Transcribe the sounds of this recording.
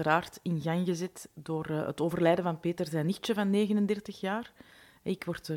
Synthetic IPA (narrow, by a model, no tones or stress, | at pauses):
əɾaːrtɪnɣaŋɣəzɛtdoːrə̰toːvərlɛːdəvɑnpeːtərzɛːnixt͡ʃəvɑnːeːɣənəndɛrtəxjaːr | ɛɪkʋɔrtː